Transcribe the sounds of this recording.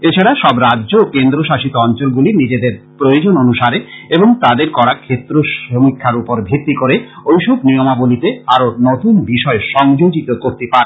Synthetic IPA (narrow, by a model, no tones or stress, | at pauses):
et͡ɕʰaɽaʃɔbɾadːʑoːkend̪ɾoʃaʃit̪oɔnt͡ɕolɡulinid͡ʑed̪eɾpɾojod͡ʑononuʃaɾeeboŋt̪ad̪eɾkɔɽakʰːet̪ːɾoʃomikʰːaɾupoɾbʱet̪ːikoɾeojʃobnijomabolit̪eaɾonot̪unbiʃɔeʃɔŋd͡ʑod͡ʑit̪okoɾt̪epaɾ